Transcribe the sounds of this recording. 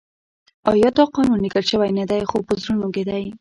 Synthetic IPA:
ɑjɑt̪ɑqɑnunːikəlʃəwajnad̪ajxopəzɾunoked̪aj

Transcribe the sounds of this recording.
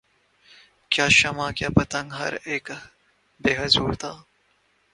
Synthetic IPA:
kjaːʃɐmãːkjaːpɐt̪ɐ̃ŋɡɦɐ̰ɾeːk | beːɦɐzuːɾt̪ʰaː

